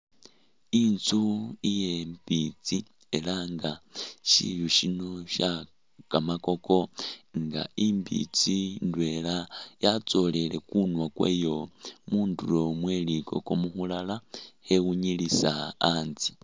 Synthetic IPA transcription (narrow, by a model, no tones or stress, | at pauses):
int͡suije̞mbit͡si | e̞laŋɡaʃḭjuʃinoʃa | kamako̞ko̞ŋɡa̰imbḭt͡sindwe̞ːlajat͡so̞le̞le̞kunwakwḛːjo̞muːndulo̞mwe̞liko̞̰ko̞muxulalahe̞wuɲilisaːnzi